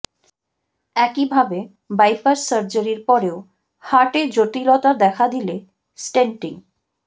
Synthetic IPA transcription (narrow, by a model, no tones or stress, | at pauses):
ɛkibʱabe | bajpaɾsəɾd͡ʑaɾiɾpɔɾeo | haʈed͡ʑot̪ilot̪ad̪ɛkʰad̪ile | sʈeɳʈiŋ